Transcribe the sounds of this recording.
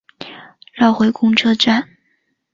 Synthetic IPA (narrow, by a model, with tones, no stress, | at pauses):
lɑ˥˩ʊxwe˧˥ɪkʊ˥ŋʈ͡ʂʰɤ˥ʈ͡ʂa˥˩n